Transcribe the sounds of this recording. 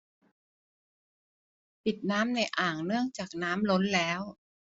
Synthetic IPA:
pi˨˩t̪̚naː˦˥mna˧˩jʔaː˨˩ŋnɯ˥˩əŋt͡ɕaː˨˩k̚naː˦˥mlo˦˥nlɛː˦˥w

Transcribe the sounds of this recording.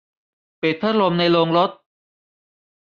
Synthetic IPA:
peː˨˩t̪ʰːaː˦˥ɾo˧mna˧jloː˧ŋɾo˦˥t̪̚

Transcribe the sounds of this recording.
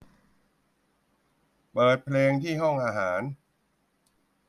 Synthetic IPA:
pɤː˨˩t̪̚pʰleː˧ŋt̪ʰiː˥˩ɦɔ˥˩ŋʔaː˧ɦaː˩˦n

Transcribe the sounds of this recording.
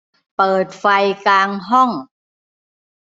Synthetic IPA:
pɤː˨˩t̪̚fa˧jkaː˧ŋɦɔ˥˩ŋ

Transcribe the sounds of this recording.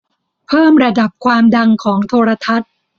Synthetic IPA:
pʰɤː˥˩mɾa˧da˨˩p̚kʰwaː˧mda˧ŋkʰɔː˩˦ŋt̪ʰoː˧ɾa˧t̪ʰa˦˥t̪̚

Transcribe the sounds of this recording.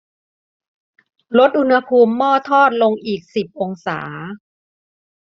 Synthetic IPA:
ɾo˦˥t̪̚ʔu˧nha˧pʰuː˧mːɔː˥˩t̪ʰɔː˥˩t̪̚lo˧ŋʔiː˨˩k̚si˨˩p̚ʔo˧ŋsa̰ː˩˦

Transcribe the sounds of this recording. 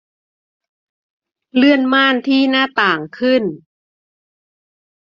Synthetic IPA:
lɯ˥˩ənmaː˥˩nt̪ʰiː˥˩naː˥˩t̪aː˨˩ŋkʰɯ˥˩n

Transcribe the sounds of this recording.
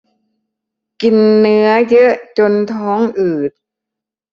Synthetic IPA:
ki˨˩nːɯ˦˥ɐjɤ˦˥ʔt͡ɕo˧nt̪ʰɔː˦˥ŋʔɯː˨˩t̪̚

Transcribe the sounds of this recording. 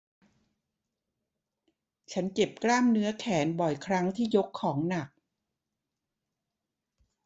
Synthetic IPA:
t͡ɕʰa˦˥nke˨˩p̚klaː˥˩mnɯ˦˥ɐkʰɛː˩˦nbɔ˨˩jkʰɾa˦˥ŋt̪ʰiː˥˩jo˦˥kʰːɔː˩˦ŋna˨˩k̚

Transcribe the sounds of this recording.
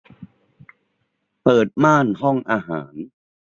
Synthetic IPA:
pɤː˨˩t̪̚maː˥˩nɦɔ˥˩ŋʔaː˧ɦa̰ː˩˦n

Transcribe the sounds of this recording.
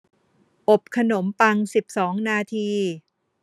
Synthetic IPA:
ʔo˨˩p̚kʰa˧no˩˦mpa˧ŋsi˨˩p̚sɔː˩˦ŋnaː˧t̪ʰiː˧

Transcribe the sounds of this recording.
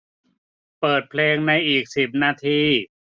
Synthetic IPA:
pɤː˨˩t̪̚pʰleː˧ŋna˧jʔiː˨˩k̚si˨˩p̚naː˧t̪ʰiː˧

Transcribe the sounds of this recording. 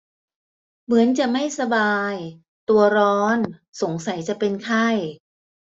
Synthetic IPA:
mɯ˩˦ənt͡ɕa˨˩ʔma˥˩jsa˧baː˧j | t̪u˧ɐɾɔː˦˥nso˩˦ŋsa˩˦jt͡ɕa˨˩ʔpe˧nkʰa˥˩j

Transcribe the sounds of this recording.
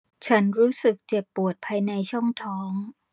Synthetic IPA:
t͡ɕʰa˦˥nɾuː˦˥sɯ˨˩k̚t͡ɕe˨˩pːu˨˩ət̪̚pʰaː˧jna˧jt͡ɕʰɔ˥˩ŋt̪ʰɔː˦˥ŋ

